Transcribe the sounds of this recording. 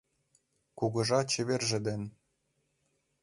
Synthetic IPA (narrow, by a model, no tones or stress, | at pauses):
kuɣɤ̆ʒɑt͡ɕɘ̆βerʒɘ̆d̪ɘ̆nʲ